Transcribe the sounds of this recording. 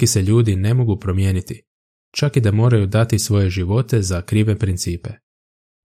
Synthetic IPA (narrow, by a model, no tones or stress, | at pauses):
iseʎuːd̪ine̞mo̞ɡupɾo̞mjeːnit̪i | t͡ʃakid̪amo̞ːɾajud̪at̪isʋo̞je̞ʒiʋo̞t̪e̞zakɾiːʋepɾint̪siːpe̞